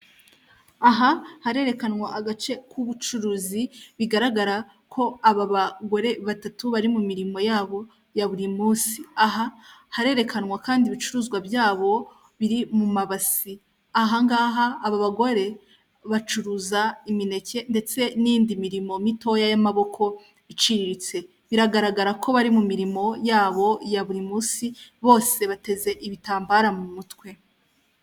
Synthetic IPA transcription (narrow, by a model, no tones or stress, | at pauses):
aɦahaɾe̞ːɾekanwaʔaɡat͡ʃe̞kʰuβut͡ʃuɾuːziβiɡaɾaɡaɾa | kʰo̞aβaβaɡo̞ɾe̞βatatuβaɾimumiɾimo̞jaːβo̞ | jaβuɾimuːsiaɦahaɾe̞ːɾe̞kʰanŋwakaːndiβit͡ʃuɾuːzɡwabjaːβo̞ | βiɾimumaβasi | aɦaŋɡaːɦaːβaβaɡo̞ɾe̞ | βat͡ʃuɾuzaimine̞ce̞nde̞t͡se̞niːndimiɾimo̞mito̞jajamaβo̞kʰo̞ | it͡ʃiɾiɾit͡se̞ | βiɾaɡaɾaɡaɾakʰo̞βaɾimumiɾimo̞jaːβo̞jaβuɾimuːsiβo̞ːse̞βate̞ze̞ʔiβitaːmbaɾamumutwe̞